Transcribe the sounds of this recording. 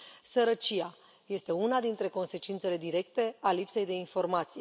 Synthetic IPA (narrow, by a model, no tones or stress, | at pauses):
səɾət͡ʃia | je̞st̪e̞unad̪int̪ɾe̞ko̞nse̞t͡ʃint̪se̞le̞d̪iɾe̞kt̪e̞alipse̞jd̪e̞info̞rmat̪sije